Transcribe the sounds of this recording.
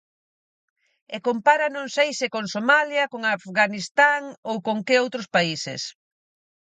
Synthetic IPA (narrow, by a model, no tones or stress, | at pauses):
ekompaɾɐnõŋsejsɪkoŋsomaljɐkoŋafɣanist̪aŋowkoŋkeowt̪ɾʊspaisḛs